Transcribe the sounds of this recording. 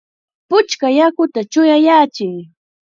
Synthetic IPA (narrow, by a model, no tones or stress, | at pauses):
pʊt͡ʃkajakʊt̪at͡ʃʊjajaːt͡ʃɪŋ